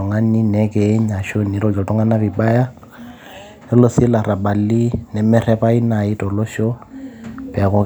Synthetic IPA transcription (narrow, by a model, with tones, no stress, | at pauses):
ɔ˨ŋa˦ni˦nɛ˦ke˨˦ɲa˨ʃo˦ni˨ɾɔ˨d͡ʒɔ˨tʼʊ˦ŋa˦na˦bi˨ba˦ja˦ | ɛ˦lo˦si˦la˨ɾa˨ba˨li˦nɛ˨mɛ˦ɾɛ˦pa˦i˦na˨i˦tɔ˨lɔ˦ʃɔ˦ | pɛ˨kɔ˦